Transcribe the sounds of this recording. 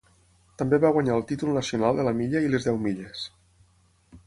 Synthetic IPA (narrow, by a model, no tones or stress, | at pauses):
t̪əmbeβaɣwaɲaəlˠt̪it̪ulˠnəsiunalˠd̪ələmiʎəilezðɛwmiʎes